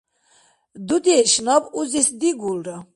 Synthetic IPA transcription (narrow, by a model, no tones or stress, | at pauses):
d̪ud̪iɛʃnabuzisd̪iɡulɾa